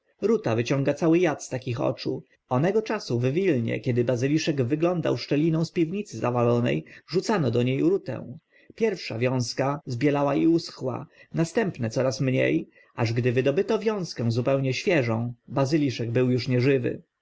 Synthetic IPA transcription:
ɾut̪avɘt͡ɕɔ̃ŋɡat̪sawɘjat̪st̪akʲixɔ̰t͡ʂu | ɔnɛɡɔt͡ʂasuvvʲilɲɛ̰kʲɛd̪ɘbazɘlʲiʂɛɡvɘɡlɔnd̪a̰wʂt͡ʂɛlʲinɔ̃w̃spʲivɲit̪sɘzavalɔnɛ̰jʐut̪sanɔd̪ɔɲejɾut̪ɛ̰̃w̃ | pʲjɛɾfʂa̰vʲjɔ̃w̃skazbʲjɛlawaiusxwa̰nast̪ɛmpnɛt̪sɔɾasmɲḛj | ʔaʐɡd̪ɘvɘd̪ɔbɘt̪ɔvʲjɔ̃w̃skɛ̃w̃zupɛwɲɛɕfʲjɛʐɔ̃w̃bazɘlʲiʂɛɡbɘwjuʂɲɛʐɘvɘ̰

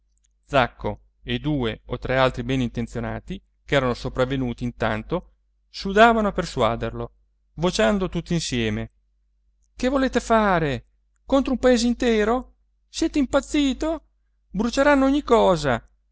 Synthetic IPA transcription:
d̪zakːo̰ | ed̪uːeot̪ɾɛalt̪ɾibɛnint̪ensjona̰ːt̪i | kɛːɾanosopɾavːenuːt̪iːnt̪a̰nt̪o | sud̪aːvanoapersua̰ːd̪erlo | vot͡ʃand̪ot̪ut̪ːinsjɛːme | kevoleːt̪efaːɾe | kont̪ɾoumpaeːzeint̪ɛːɾo | sjɛːt̪eimpat̪sːiːt̪o | bɾut͡ʃeɾanːoɔɲːikɔːza

